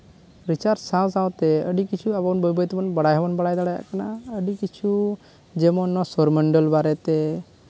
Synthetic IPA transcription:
ɾit͡ʃaɾsãs̬ãwt̪ɛəɖikit͡ʃʰuabɔwnbəjbəjt̪bɔnbəɽajɦɛbɔnbəɽajd̪aɽaja̰ʔkanaəɖikit͡ʃʰu | d͡ʒɛmɔnasɔɾməɳɖəlbaɾɛt̪ɛ

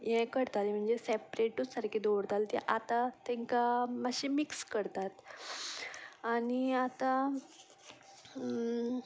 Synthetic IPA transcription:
jɛkəɾt̪alim̤əɳd͡zesɛpɾeʈusaɾkid̪oʋɽt̪alt̪ɛ̰ʔat̪at̪ɛ̃ŋkamaɕimikskəɾt̪at̪ | añiat̪a

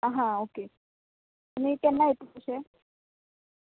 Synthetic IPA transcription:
aɦãoke | t̪umik̪ɛnːaɦet̪uoɕe

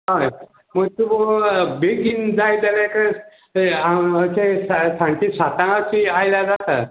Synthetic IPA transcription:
ɦaj | məɡ̚t̪ubobeɡind͡zajd̪əlekə | aət͡ɕessãɳʈisat̪ãŋat͡ɕiajljad͡zat̪a

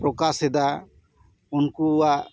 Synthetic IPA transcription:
pɾɔkasɛd̪a | unkuwaʔ

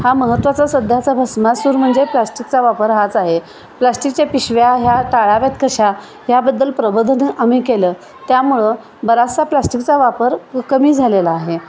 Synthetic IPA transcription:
haməɦət̪ːʋat͡sasəd̪ʱjat͡sabʱəsmasuːɾm̤əɳd͡zeplasʈik̚t͡saʋapəɾɦat͡saɦe | plasʈik̚t͡ɕapiɕʋjaɦjaʈaɭaʋjat̪kəɕa | ɦjabəd̪ːəlpɾəbəd̪ʱənəʔamiːkelə | t̪jamuɭə | bəɾassaplasʈikt͡saʋapəɾkəmiːd͡zʱalelaːɦe

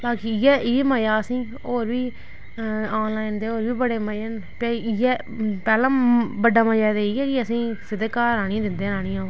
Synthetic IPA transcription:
baːkijɛːieməjaːəsĩː | oːɾʋiː | aːnlaːɪnd̪eːoːɾʋiːbəɽeːməən | peːjɛː | pɛːlãːbəɖaːməd͡ʒɛːd̪eiːɛːkɪəsĩːsɪd̪kaːaːñĩd̪ɪnd̪eːnaːnĩːãː

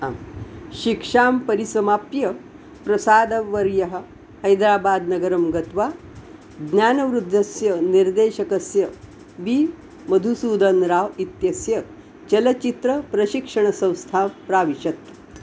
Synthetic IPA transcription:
mɕikʂaːmpɐɾisɐmaːpjɐ | pɾɐsaːd̪ɐʋːɐɾjɐɦə̆ | hɐjd̪ɾaːbaːd̪nɐɡəɾəmɡɐt̪ʋa | d̪njaːnɐʋɾud̪ʱːɐsjɐniɾd̪eːɕɐkɐsjɐ | ʋi | mɐd̪ʱusuːd̪ɐnɾaːʋit̪jɐsjɐ | t͡ɕɐlɐt͡ɕit̪ɾəpɾɐɕikʂɐɳ̃əsɐ̃w̃st̪ʰampɾaːʋiɕɐt̪

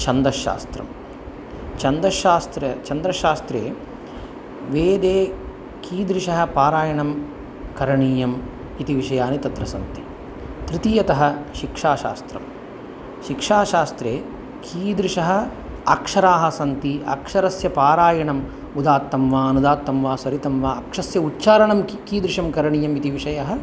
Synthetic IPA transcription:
t͡ʃɐnd̪ɐʃa̰ːst̪ɾɐ̰m | t͡ʃɐnd̪ɐʃaːst̪ɾɐt͡ʃɐnd̪ɾɐʃaːst̪ɾeː | ʋeːd̪eː | kʰiːd̪ɾiʂɐɦɐ̆paːɾaːjɐɳɐm | kɐɾɐɳiːjɐm | it̪iʋiʂɐjaːnit̪ɐt̪ɾɐsɐnt̪i | t̪ɾit̪ijɐt̪ɐɦɐ̆ʃikʂaːʃa̰ːst̪ɾɐ̰m | ʃikʂaːʃaːst̪ɾeː | kʰiːd̪ɾiʃɐɦɐ̆ | ɐkʂɐɾaːɦɐ̆sɐnt̪iɐ̰kʂɐɾɐsjɐpaːɾaːjɐɳɐm | ud̪aːt̪ːɐmʋaːɐnud̪aːt̪ːɐmʋaːsɐɾit̪ɐmʋaːɐkʂɐsjɐutːʃaːɾɐɳɐmkiːd̪ɾiʂɐmkɐɾɐɳiːjɐmit̪iʋiʂɐjɐɦɐ̆

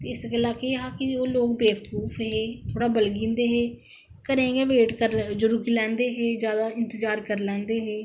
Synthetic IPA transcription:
t̪eːɪskːɪlaːkeːeɦaːkɪoːloːkbeːʋəkuːfɦeːt̪ʰoːɽaːbəlɡĩːnd̪eːɦeː | kəɾẽːɡeːʋeːʈkəɾd͡ʒʊɾuːkiːlɛ̃ːnd̪eːɦeːd͡ʒjaːd̪aːɪ̃nt̪əd͡ʒaːɾkəɾlɛ̃ːnd̪eːɦeː

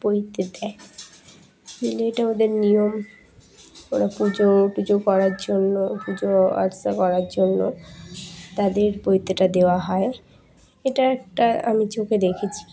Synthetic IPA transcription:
poit̪ed̪ɛe | mileeʈaod̪eɾnijom | konapud͡ʑopud͡ʑokɔɾaɾd͡ʑonːopud͡ʑoa̰ɾsakɔɾaɾd͡ʑonːo̰ | t̪ad̪eɾpojt̪ːeʈad̪eoaɦɔe | eʈaɛk̚ʈaa̰mit͡ɕoked̪ekʰet͡ɕʰi̥

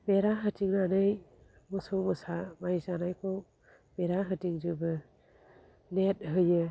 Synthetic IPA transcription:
beɾaɦɯtiŋnanɯj | mɔsɔwmɯsamajzanajkʰɔw | b̥eɾaɦɯtiŋzɯbɯ | net̚ɦɯjɯ

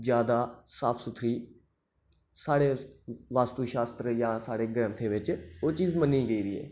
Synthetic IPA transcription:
d͡ʒjaːd̪aːsaːpʰsʊt̪ʰɾiː | saːɽeːʋaːst̪uːʃaːst̪ɾəjãːsaːɽeːɡɾə̃nt̪ʰeːʋɪt͡ʃoːt͡ʃiːzməniːɡəiːɾiːḛː

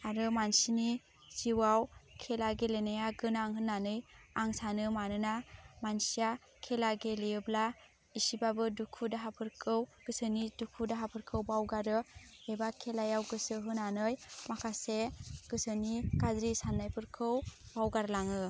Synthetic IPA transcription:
aɾɯmansini | z̥iwawkʰelaɡelenajaɡɯnaŋɦɯnːanɯjaŋsanɯmanɯnamansija | kʰelaɡelijɯbla | isibabɯdukʰudaɦapʰɯɾkʰɯwɡ̥ɯsɯnidukʰudaɦapʰɯɾkʰɯwbawɡaɾɯebakʰelajawɡɯsɯɦɯnanɯjmakʰaseɡ̥ɯsɯnikadɾisanːajpʰɯɾkʰɯwbawɡaɾɯlaŋɯ

